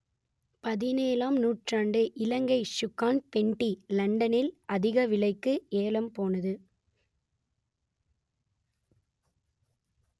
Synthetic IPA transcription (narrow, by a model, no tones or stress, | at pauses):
pɐðɪneːlaːmnuːʈraːɳɖɯʔɪlɐŋɡɐɪʃʊkːaːnpɛɳʈːilɐɳɖɐnɪlɐðɪɣɐʋɪlɐɪkːɯeːlɐmpoːnɐðɯ